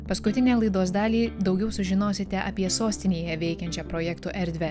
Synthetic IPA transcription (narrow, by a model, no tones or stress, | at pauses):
pɐskʊt̪ʲɪnʲæːlˠɐɪd̪oːsd̪ɑːlʲiːd̪ɒʊɡʲɛʊsʊʒʲɪnoːsʲɪt̪ʲɛʔɐpʲiɛsoːsʲt̪ʲɪnʲeːjɛʋʲɛɪkʲɛnʲt͡ʃʲɛpɾɔjɛkt̪uːʔɛɾʲd̪ʲʋʲɛ